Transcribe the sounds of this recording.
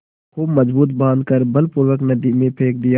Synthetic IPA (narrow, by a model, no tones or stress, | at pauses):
kʰuːbmɐzbuːt̪̬̚bãːnd̪kəɾbɐlpʊɾwəknɐd̪imẽpʰeːk̚d̪ɪja